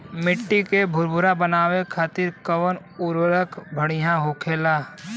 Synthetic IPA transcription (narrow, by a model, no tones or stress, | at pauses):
mɪʈːikebʱʊɾbʱʊɾabənaːwekʰaːt̪ɪɾkəwən | ʊɾwəɾəkbʱəɽ̃ijãɦoːkʰeːlaː